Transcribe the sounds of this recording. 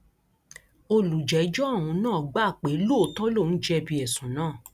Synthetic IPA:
o˧lu˨d͡ʒɛ˨˦d͡ʒɔ˦a˦˨w̃ũ˧nãː˦˨ɡ͡ba˦˨k͡pe˨˦lu˦o˨tɔ˦lo˦˨n̩˦d͡ʒɛ˧bi˧ɛ˨sũ˨˦nãː˦˨

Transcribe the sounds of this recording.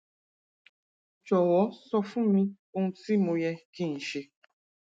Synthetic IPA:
t͡ʃɔ˨wɔ˨˦sɔ˦fu˦mĩ˦ | o˦n̩˦ti˦mõ˧jɛ˧kĩ˦˨n̩˨ʃe˧

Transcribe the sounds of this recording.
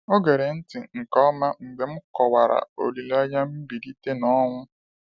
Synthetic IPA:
ɔ˦ɡe˨ɾe˨n̩˦tɪ˨ŋ̩˨kɔ˦ma˦ŋ͡m̩˨ɡ͡be˨m̩˦kɔ˨wa˨ɾa̰˨o̰˨li˨la˦ja˦m̩˦bi˨di˦te˦nɔ˦ŋʷʊ˦

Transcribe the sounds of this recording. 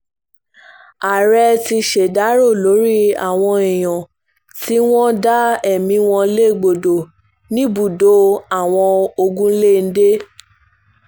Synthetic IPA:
a˨ɾɛ˧ti˧ʃe˨da˨˦ɾo˦˨lo˨˦ɾi˦a̰˦˨w̃ɔ̃˧i˨j̃ɔ̃˨ | ti˨˦w̃ɔ̃˦da˦ɛ˨mĩ˨˦w̃ɔ̃˧˦le˦˨ɡ͡bo˨do˨ | nĩ˦bu˦˨do˨˦a˦˨w̃ɔ̃˧o˧ɡũ˦le˦˨n̩˦de˦

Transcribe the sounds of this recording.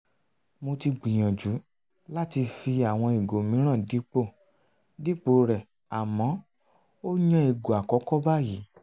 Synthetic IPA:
mo˧ti˧ɡ͡bĩ˨j̃ã˨d͡ʒu˨˦ | la˦ti˧fi˧a˨w̃ɔ̃˧e˨ɡo˨mĩ˨˦ɾ̃ã˦˨di˨˦k͡po˦˨ | di˦k͡po˨˦ɾɛ˨ | a˨mɔ̃˨˦ | o˦ɲã˦e˨ɡo˨a˨kɔ˨˦kɔ˦ba˦˨ji˨˦

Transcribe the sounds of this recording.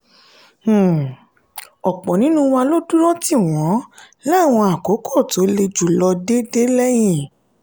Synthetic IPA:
ɔ˨k͡pɔ̃˨nĩ˨˦nũ˦w̃ã˧lo˦du˦ɾɔ˦ti˦˨w̃ɔ̃˨˦ | la˦˨w̃ɔ̃˧a˨ko˨˦kʰɔ˦˨to˨˦le˧d͡ʒu˨lɔ˧de˦de˦lɛ˦j̃ĩ˦˨

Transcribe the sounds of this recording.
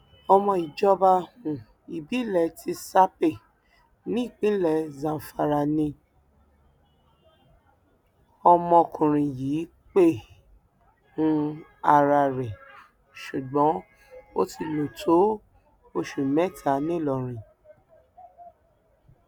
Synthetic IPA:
ɔ˧mɔ̃˧i˨d͡ʒɔ˧ba˧hũ˨ | i˨bi˨˦lɛ˨ti˧˦sa˦pe˦˨ | nĩ˦i˦˨k͡pĩ˨˦lɛ˧˨zã˧˨fa˧ɾa˧nĩ˧ | ɔ˧mɔ̃˧kũ˨ɾ̃ĩ˨jiː˨˦ | k͡pe˦˨ | ũ˧˦a˧ɾa˧ɾɛ˨ | ʃu˨ɡ͡bɔ̃˨˦ | o̰˦ti˧lo˨tʰo˨˦ | o˧ʃu˨mɛ̃˦˨tʰa˨˦nĩ˦˨lɔ˨ɾ̃ĩ˨

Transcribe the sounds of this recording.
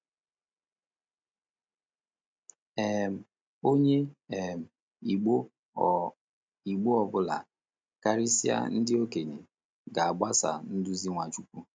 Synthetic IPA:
ɛ˨m̩˨ | o˦ɲe˦ɛ˨m̩˨˦ | i˨ɡ͡bo˦ɔ˨bʊ˦la̰˨ | ka˦ɾɪ˦si˦a̰˦n̩˦dɪ˦o˦ke˨ɲe˨ | ɡa˨a˨ɡ͡ba˦sa̰˨n̩˦dʊ˦zi˦ŋʷa˨t͡ʃu˦kʷu˦

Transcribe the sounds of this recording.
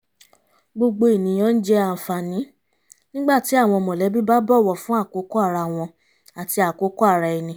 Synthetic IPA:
ɡ͡bo˧ɡ͡bo˧i˨nĩ˨j̃ɔ̃˨˦˧n̩˦d͡ʒɛ˦a˧˨fa˨nĩ˨˦ | nĩ˦ɡ͡ba˦˨ti˨˦a˦˨w̃ɔ̃˧mɔ̃˨lɛ˨˦bi˦ba˦bɔ˦˨wɔ˨fũ˨˦a˦˨ko˨˦ko˦a˦˨ɾa˧˨w̃ɔ̃˧ | a˨ti˧a˨ko˨˦ko˦a˦˨ɾa˧i˧nĩ˧˦

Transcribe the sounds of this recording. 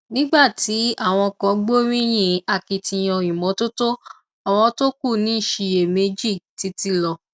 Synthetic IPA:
nĩ˦ɡ͡ba˦˨ti˨˦a˦˨w̃ɔ̃˧kɔ̃˨˧˦ɡ͡bo˦ɾĩ˦j̃ĩ˧˨a˧˨ki˧tĩ˧j̃ɔ̃˧jĩ˨mɔ̃˨˦to˦to˦ | a˨w̃ɔ̃˧to˦ku˦˨nĩ˨˦ʃi˧je˨me˧˦d͡ʒi˦˨ti˧˦ti˧lɔ˧

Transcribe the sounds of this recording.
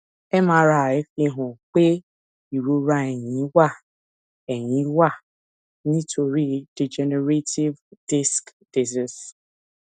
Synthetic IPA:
e˦ma˨ɾa˨e˦fi˦ɦʊ˨k͡pe˦ | i˨ɾu˦ɾa˦e˨ɲi˨˦wa˦˨ | e˨ɲi˨˦wa˦˨ | ni˦tʰo˨ɾi˦de˨d͡ʒe˨ne˨ɾe˦ti˦vdi˦skd̥i˨zi˦s

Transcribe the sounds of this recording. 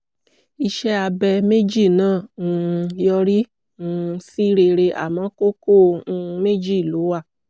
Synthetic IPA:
i˧ʃɛ˦a˧bɛ˧me˦d͡ʒi˦˨nãː˦˨ũ˨˧jɔ˧ɾĩ˦ | si˦ɾe˧ɾe˧ʔa̰˨mã˨˦ko˦kõ˦˨˧me˦d͡ʒi˦˨lu˨˦wa˦˨

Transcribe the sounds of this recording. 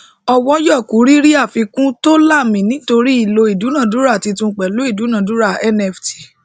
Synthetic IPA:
ɔ˧wɔ˦jɔ˦˨ku˨˦ɾi˦ɾi˦a˦˨fi˧kũ˦to˦la˦˨mĩ˨nĩ˨˦to˧ɾi˦i˦˨lo˧i˨du˨˦nã˦˨du˨˦ɾa˦˨ti˧tũ˧˦k͡pɛ˨lo˨˦i˦˨du˨˦nã˨du˨˦ɾa˦˨ɛ˦nɛ˨fti̥˨

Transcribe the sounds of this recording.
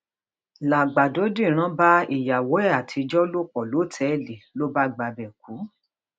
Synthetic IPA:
la˨ɡ͡ba˨do˨˦dĩ˦˨ɾ̃ã˦ba˦i˦˨ja˨wo˨˦ɛ˦˨a˨tʰi˧d͡ʒɔ˦lo˦˨k͡pɔ˨lo˨˦˨tʰɛ˨˦˨le˨lo˦ba˦ɡ͡ba˧bɛ˨k̚u˨˦

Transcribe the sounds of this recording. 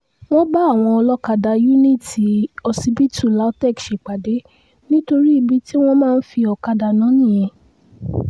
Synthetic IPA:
w̃ɔ̃˦ba˦a˦˨w̃ɔ̃˧ɔ˧lɔ˦ka˧da˧ju˦nĩ˦˨ti˨ɔ˧si˧bi˦tu˦˨la˨˦tɛ˦˨kʃe˨k͡pa˨de˨˦ | nĩ˦to˧ɾi˦i˧bi˦ti˦w̃ɔ̃˦mãː˦n̩˦fi˧ɔ˧ka˧da˧nã˨˦nĩ˦˨jẽ˧˦

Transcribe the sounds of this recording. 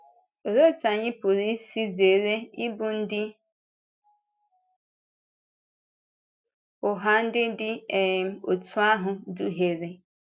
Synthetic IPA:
o˨ɾo˦˨ta˨ɲɪ˦pʊ˨ɾi˦si˦ze˨ɾe˦ɪ˦bʊ˨n̩˦dɪ˦ | ʊ˨ɦa˦n̩˦dɪ˦dɪ˦e˨m˦o˨tu˦a˦ɦʊ˨du˦ɦe˨ɾe˨

